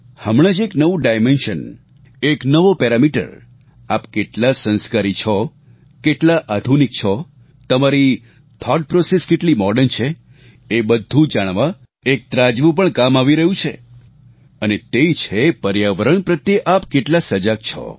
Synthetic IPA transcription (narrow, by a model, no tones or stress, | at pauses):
həmɽ̃ad͡ʒeknəʋũɖajmenʃən | eknəʋopɛɾamiʈə̰ɾ | apkeʈlasə̃nskaɾit͡ʃʰɔ | keʈlaʔad̪ʱunik̚t͡ʃʰɔ | t̪əmaɾi | t̪ʰɔɖ̚pɾoseskeʈlimɔɾɖənt͡ʃʰeː | bəd̪ʱːũd͡ʒaɽ̃ʋa | ek̚t̪ɾad͡ʒʋũp̬əɳkamaʋiɾəɦũt͡ʃʰḛ | ənet̪et͡ʃʰepəɾjaʋəɾəɳpɾət̪jeʔapkeʈlasəd͡ʒak̚t͡ʃʰɔ̰